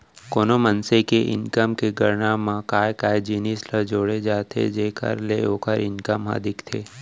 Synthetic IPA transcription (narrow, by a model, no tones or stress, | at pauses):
koːnomənsekeʔɪ̰nkəmkeɡəɾnamãkaːjkaːed͡ʒiːnisləd͡ʒoːɽed͡ʒaːt̪ʰḛd͡ʒeːkə̰ɾleoːkəɾɪnkəmɦa̰ːd̪ʱɪkt̪ʰeː